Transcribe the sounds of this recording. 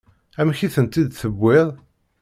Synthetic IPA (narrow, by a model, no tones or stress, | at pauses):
æmçiθənt̪id̪θəbːɪðˤ